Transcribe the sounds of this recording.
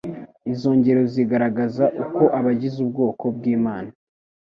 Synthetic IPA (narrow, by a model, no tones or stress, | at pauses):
izo̞ːɲɟe̞ɾo̞ziɡaɾaɡazaʔuko̞ʔaβaɟizub̚ɡo̞ːkʰo̞b̚ɡiːmaːna